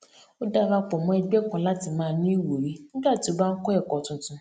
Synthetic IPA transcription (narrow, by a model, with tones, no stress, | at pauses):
o˦da˦ɾa˧k͡pɔ˨mɔ̃˨˦ɛ˧ɡ͡bɛ˦kã˧la˨˦ti˧mãː˦˧˦nĩ˦i˦˨wo˨ɾi˨˦nĩ˦ɡ͡ba˦˨ti˨˦o˦ba˦n̩˦kɔ˦ɛ˦˨kɔ˨tũ˧tũ˧˦